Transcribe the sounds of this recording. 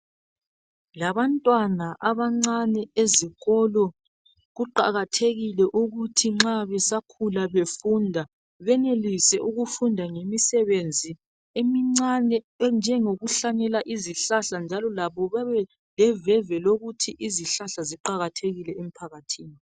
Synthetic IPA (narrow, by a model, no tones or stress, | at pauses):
laβantʼwanaʔaβaŋ͡ǀanɛeziɣɔlɔ | ɣuǃa̰ɣatʰeɣilɛʔuɣutʰiŋ͡ǁaβɛsakʰulaβefundʱa | βɛnelisɛʔuɣufundʱaŋemisɛβend͡zʱi | emiŋ͡ǀanɛ | nd͡ʒʱɛŋoɣuɬanɛlaʔiziɬaɬand͡ʒʱalɔlaβɔβaβɛ | lɛvɛvɛloɣutʰiʔiziɬaɬaziǃaɣatʰeɣilɛem̩pʰaɣatʰiːni